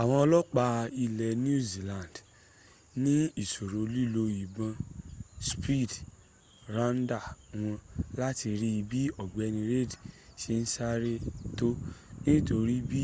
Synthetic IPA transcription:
a˨w̃ɔ̃˧ɔ˧lɔ˦k͡pa˧i˧lɛ˨n˦u˦˨zi˨lã˨nd | nĩ˦i˦˨so˨ɾo˨li˦˨lo˧i˨bã˧spi˦˨d | ɾã˦n̩˦da˦˨w̃ɔ̃˧la˦ti˧ɾi˦i˧bi˦ɔ˨ɡ͡bɛ˨˧nĩ˧ɾe˦˨dʃe˧n̩˦sa˦ɾe˦to˦nĩ˦to˧ɾi˦bi˦

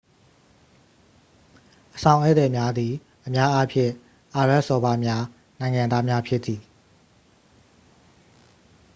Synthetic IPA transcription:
ʔəsã˨ʊ̃ʔɛ˦ʔt̪ɛ˨mja˦d̪i˨ | ʔə˨mja˦ʔa˦pʰjɪ̃˦˨ | ʔa˨ɹa˦ʔsɔ˨ba˦mja˦ | nã˨ɪ̃ŋã˨nd̪a˦mja˦pʰjɪ˦t̪ːi˨

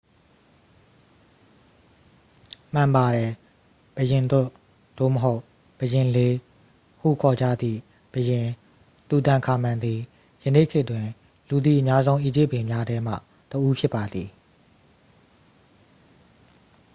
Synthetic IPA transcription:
m̥ã˨mba˨ɾɛ˨ | b̥əjɪ̃˨nt̪ʊ˦˨ʔ | d̥o̰˦˨məɦo˦ʊʔ | b̥əjɪ̃˨le˦ | hṵ˦˨kʰɔ˨d͡ʑä̰˦˨d̪ðḭ˦˨ | b̥əjɪ̃˨ | t̪u˨t̪ã˨ŋkʰa˨mã˨nd̪i˨ | jənḛ˦˨kʰɪ˦ʔtwɪ̃˨ | lu˨d̪ḭ˦˨ʔə˨mja˦zõ˦ʊ̃ʔḭ˦˨d͡ʑɪ˦˨pːɪ̃˨mja˦ɾɛ˦m̥ä̰˦˨ | təʔu˦pʰjɪ˦pːa˨d̪ði˨

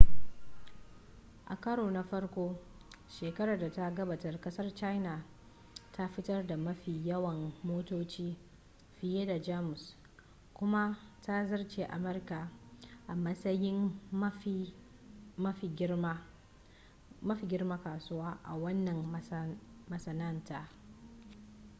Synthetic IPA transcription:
ʔa̰˨kɐ˦ɽoː˨na˦ɸɐ˦rkʷoː˦ʃeː˨kɐ˦ɾaː˨da˨ta˦ɡɐ˦baː˨tɐ˨rkɐ˦sɐ˦rt͡ʃa˦jna˨ | tʰa˦ɸɪ˦tɐ˦rda˨mɐ˦ɸiː˨jɐ˦wɐ˨mːoː˦toː˦t͡ʃiː˦ | ɸɪ˨jeː˦da˨d͡ʒaː˦mʊ˨s | kʷʊ˦ma˦ta˦zɐ˦rt͡ʃe˨ʔa̰˨mɐ˦rka˨ʔa˨mɐ˦sɐ˦jɪ˦m˦ | mɐ˦ɸi˨ɡʲɪ˦ | mɐ˦ɸiː˨ɡʲɪ˦rma˦kaː˨sʊ˦waː˦ʔa̰˨wɐ˦nːɐ˨m | mɐ˨sɐ˨nɐ˦nta˦ʔ

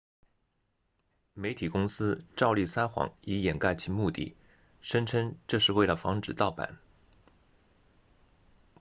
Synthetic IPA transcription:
me˧˥ɪt̪ʰi˨˩kʊ˥ŋsɹ̩˥ʈ͡ʂɑ˥˧ʊli˥˩sa˥nxwɑ̰˧˥ŋi˧˥jɛ˨˩nka˥˩ɪt͡ɕʰi˧˥mu˥˧t̪ḭ˥˩ | ʂə˥nʈ͡ʂʰə˥ŋʈ͡ʂɤ˥˧ʂɻ̩˥˧we˥˩ɪlə˩fɑ̰˧˥ŋʈ͡ʂɻ̩˨˩t̪ɑ˥˩ʊpa̰˨˩˦n

